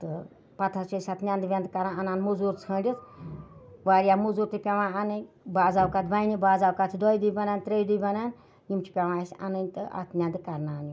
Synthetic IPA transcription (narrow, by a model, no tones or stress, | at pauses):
t̪ɨ | pɐt̪ʰat͡ʃəsʲat̪ʰnʲand̪bʲend̪kɐɾãːɐnaːnmuzuɾt͡sʰə̃ːlʲit͡sʰ | ʋaːɾijamuzuɾt̪ɨpʲɐʋãːanɨ | baːzaːwkat̪ʰbajnibaːzaːwkat̪ʰd̪ɔjd̪ubɐnant̪ɾʲejd̪ujbɐnan | jimt͡ʃʰi̥pʲaʋãːsʲɐ̰nɨnʲt̪ɨa̰t̪ʰnʲand̪ɨkɐɾnaːni